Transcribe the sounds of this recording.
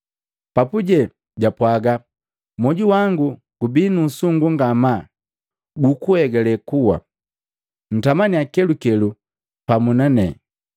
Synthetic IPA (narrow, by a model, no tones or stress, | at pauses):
papuɟɛ | ɟapwaɡa | mɔɟuwaŋɡu | ɡ̥ubinuːsuŋɡuŋɡama | ɡukuhɛɡɛlɛkuwa̰ | n̩tamaniakɛlukɛlu | pamunanɛ̰